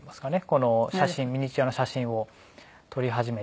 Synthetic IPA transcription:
masɨ̥kane̞ko̞no̞ɕaɕɕĩmmʲiɲ̟it͡ɕijano̞ɕaɕĩɰ̃o̞ | t̪ʰo̞ɾʲiɦaʑime̞

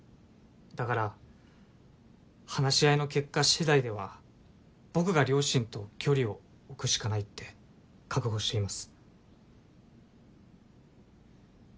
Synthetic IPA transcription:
d̪akaɾa | hanaɕiaino̞ke̞kːaɕid̪aid̪e̞βa̰ | b̥o̞kɯ̟ɡaɾʲo̞ːɕĩnt̪o̞kʲʰo̞ɾʲio̞ː | kɯ̟ɕi̥kanait̪ːe̞ | kʰakɯ̟ɡo̞ːɕi̥t̪e̞imasɨ̥

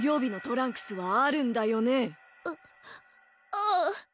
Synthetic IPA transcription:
jo̞ːbʲino̞t̪o̞ɾãŋkɯ̥sɨβaːɾɯ̟̃nd̪ajo̞ne̞

